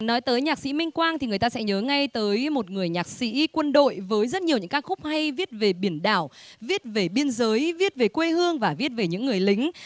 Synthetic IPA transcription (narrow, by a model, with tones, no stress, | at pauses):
nɔ˨˦jt̪əː˨˦jɲaː˨˩k̚sḭ˧˥mï˧ŋ̟kwaː˧nt̪i˨˩ŋ˨˩əjt̪aː˧sɛ̰˧˥ɲəː˨˦ŋa˧jt̪əː˨˦jmo˨˩t̚ŋɨ˨˩əjɲaː˨˩k̚sḭ˧˥kwə˧nɗo̰˧˨jvəː˨˦jzə˦˥t̚ɲ˨˩wɲɨ̰˧˥ŋkaː˦˥k̚xʊ˦˥k͡p̚ha˧jvi˦˥ət̚ve˨˩ɓi˧˩ənɗa̰ː˧˩wvi˦˥ət̚ve˨˩ɓi˧ənzəː˨˦jvi˦˥ət̚ve˨˩kwe˧hɨ˧əŋvaː˨˩vi˦˥ət̚ve˨˩ɲɨ̰˧˥ŋːɨ˨˩əjlï˨˦ŋ̟